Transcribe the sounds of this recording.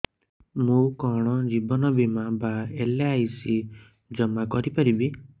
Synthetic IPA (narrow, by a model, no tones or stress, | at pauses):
mũkɔɽ̃ɔd͡ʒibɔnɔbimabaeleːjsi | d͡ʒɔmakɔɾipaɾibi